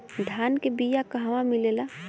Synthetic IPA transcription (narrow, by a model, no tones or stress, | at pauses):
d̪ʱaːnkebijakəɦʋãmilela